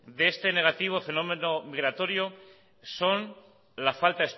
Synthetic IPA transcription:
d̪eest̪e̞ne̞ɣ̞at̪iβ̞ofe̞no̞mẽ̞nomiɣɾat̪o̞ɾjo | so̞n | lafalt̪aes

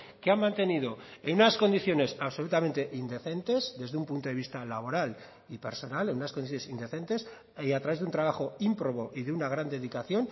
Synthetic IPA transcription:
keammãnt̪e̞nið̞o̞enunasko̞nd̪iθjo̞ne̞saβso̞lut̪ament̪e̞ʔind̪e̞θe̞nt̪e̞zd̪e̞zðeumpunt̪oeist̪alaβ̞o̞ɾal | ipe̞ɾso̞nalenunasko̞niθjonsind̪e̞θe̞nt̪e̞s | at̪ɾaβe̞zðunt̪ɾaβ̞axo̞impɾo̞βo̞ʔiðeunaɣ̞ɾand̪e̞ðikaθjo̞n

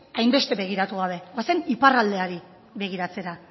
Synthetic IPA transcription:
ajmbe̞st̪e̞βe̞ɣ̞iɾat̪uɣawβ̞e̞ɣaseniparald̪e̞aɾi | βe̞ɣ̞iɾat͡se̞ɾa

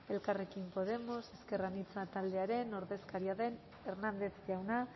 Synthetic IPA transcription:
e̞lkare̞kimpo̞ð̞e̞mo̞se̞ske̞ranit͡sat̪ald̪eaɾe̞no̞ɾðe̞skaɾiaðe̞n | eɾnand̪e̞θʝawna

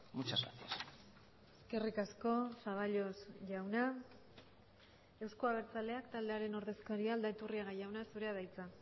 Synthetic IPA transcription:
mut͡ʃasɣa̰t̪ias | eske̞rikasko̞saβaʎo̞sʝawna | e̞wskoaβ̞e̞ɾt͡sale̞akt̪ald̪e̞aɾe̞no̞ɾðe̞skaɾiaːld̪aet̪uriaɣajawnasuɾe̞aðajt͡sa

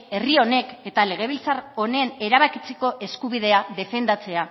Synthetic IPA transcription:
e̞rio̞ne̞ke̞t̪ale̞ɣ̞e̞β̞ilt͡saro̞nene̞ɾaβakit͡seko̞ʔe̞skuβ̞ið̞e̞aðe̞fe̞nd̪at͡se̞a

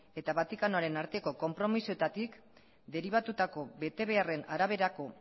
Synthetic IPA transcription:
e̞t̪aβat̪ikano̞aɾe̞naɾt̪e̞ko̞ko̞mpɾo̞misoet̪at̪ik | d̪e̞ɾiβat̪ut̪ako̞βe̞t̪e̞β̞e̞are̞naɾaβ̞e̞ɾako̞

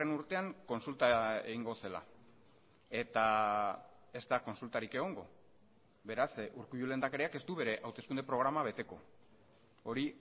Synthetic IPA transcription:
enuɾt̪e̞aŋko̞nsult̪ae̞ɣiŋɡo̞se̞la̰ | e̞t̪a | e̞zt̪ako̞nsult̪aɾike̞ɣ̞o̞ŋɡo̞̰ | be̞ɾasuɾkujule̞nd̪akaɾiake̞st̪uβe̞ɾe̞ʔawt̪e̞skund̪e̞pɾo̞ɣ̞ɾamaβe̞t̪e̞ko̞ | o̞ɾi

